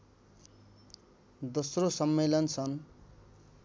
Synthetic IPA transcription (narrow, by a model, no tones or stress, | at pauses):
d̪osrosʌmːelʌnt͡sʰʌn